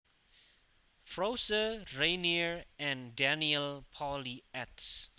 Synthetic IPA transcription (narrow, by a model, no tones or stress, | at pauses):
fɹosəɹẽniɹɛ̃ndɛniəlpʰɔliɛts